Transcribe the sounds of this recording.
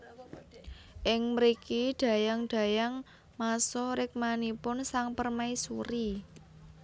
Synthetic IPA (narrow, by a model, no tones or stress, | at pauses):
ʔɪŋməɾikiɖ̪̥ä̤jaŋɖ̥ä̤jaŋ | masɔɾɪk̚manipʊnsaŋpərmaisuɾi